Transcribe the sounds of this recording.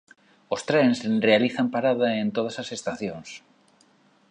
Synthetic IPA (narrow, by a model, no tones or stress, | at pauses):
ost̪ɾensrealiθampaɾað̞aẽnt̪oð̞asasest̪aθjoŋs